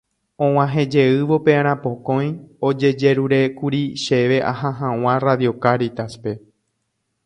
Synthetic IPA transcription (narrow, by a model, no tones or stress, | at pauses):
õw̃ãɦẽ̞d͡ʒe̞ɨʋo̞peãɾ̃ãpõ̞kõ̞j̃od͡ʒe̞d͡ʒe̞ɾuɾekuɾiʃeʋe̞ʔa̰ɦãɦãw̃ãraðjo̞kaɾit̪aspe̞